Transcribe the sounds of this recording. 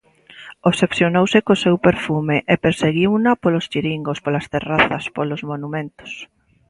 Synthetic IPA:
osepθjonowsɪkosewpeɾfumeʔepeɾseɣiwunapolost͡ʃiɾiŋɡospolast̪eraθɐspolozmonumẽnt̪o̥s

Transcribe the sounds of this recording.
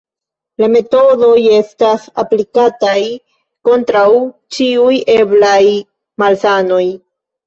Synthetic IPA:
lame̞to̞do̞je̞stasa̰plikataj | ko̞ntɾawt͡ʃiujeblaj | malsano̞j

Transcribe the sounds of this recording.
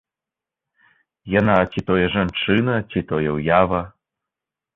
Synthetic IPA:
janat͡sʲit̪ɔjɛʐant͡ʂɨnɐt͡sʲit̪ɔjɛwjavɐ

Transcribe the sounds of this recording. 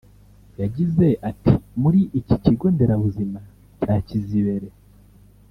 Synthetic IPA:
jaɟize̞ʔatʰimuɾiʔiciciɡo̞nde̞ɾaβuzima | caːciziβe̞ɾe̞

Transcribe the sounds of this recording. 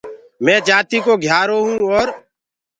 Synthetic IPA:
mɛ̃ːd͡ʒaːt̪iːkoːɡʱjaːɾoːɦũːɔːɾ

